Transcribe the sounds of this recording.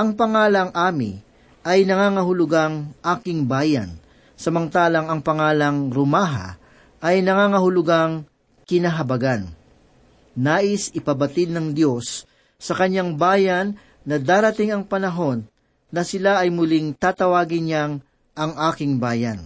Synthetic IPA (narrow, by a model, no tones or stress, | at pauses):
ʔɐŋpɐŋaːlɐŋʔaːmɪ̰ | ʔɐjnɐŋaːŋɐɦʊlʊɡaŋʔaːkɪŋbaːjɐ̰n | sɐmɐŋt̪aːlɐŋɐŋpɐŋaːlɐŋɾʊmaːɦɐ̰ | ʔɐjnɐŋaːŋɐɦʊlʊɡaŋ | kɪnaɦɐbɐɡan | aːʔɪsɪpɐbɐt̪ɪd̪̚nɐŋd̪jo̞sː | ɐkɐɲːaŋbaːjɐnː | ɐd̪aːɾɐt̪ɪŋɐŋpɐnɐɦo̞nː | ɐsɪlaʔɐjmʊlɪŋt̪aːt̪ɐwaːɡɪɲjaŋ | ʔɐŋʔaːkɪŋbaːjɐ̰n